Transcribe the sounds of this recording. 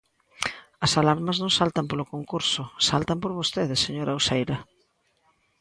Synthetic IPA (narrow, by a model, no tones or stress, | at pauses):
ɐsalaɾmɐznõŋsalt̪ɐmpolʊkoŋkuɾsʊsalt̪ɐmpoɾβost̪eðɪseɲoɾɐusejɾɐ